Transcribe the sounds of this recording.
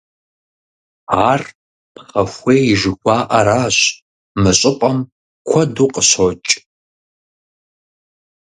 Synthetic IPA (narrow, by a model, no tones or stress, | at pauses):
aːr | pχɐxʷeːjɪʒɨxʷɑːʔɐɾaːɕ | mɨɕʼɪpʼɐm | kʷʰɔduːqʼəɕot͡ʃʼ